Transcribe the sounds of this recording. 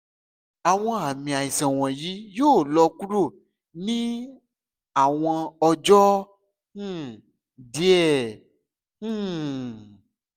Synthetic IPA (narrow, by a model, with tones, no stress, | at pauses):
a˨w̃ɔ̃˦a˨mĩ˨a˨i˨sɛ̃˨w̃ɔ̃˨ji˨˦joː˦˨lɔ˧ku˦ɾo˦˨ | nĩ˦ | a˨w̃ɔ̃˧ɔ˧d͡ʒɔ̃˦˨ | di˨˦ɛ˦˨˦